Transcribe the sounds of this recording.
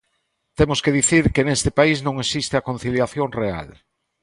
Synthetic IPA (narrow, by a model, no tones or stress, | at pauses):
t̪emʊskeðiθiɾkenest̪ɪpaisnõŋesist̪ɪakon̟θiljaθjoŋrea̰l